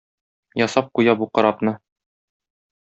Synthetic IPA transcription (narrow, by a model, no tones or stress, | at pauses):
jɒsɑp̚qujɑbuqɤ̆ɾɑpnɤ